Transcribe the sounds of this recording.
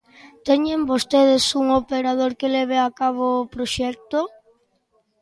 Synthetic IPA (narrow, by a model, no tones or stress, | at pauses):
t̪eɲembost̪eð̞esuŋopeɾað̞oɾkeleβ̞eakaβ̞oːpɾoʃɛk̚t̪o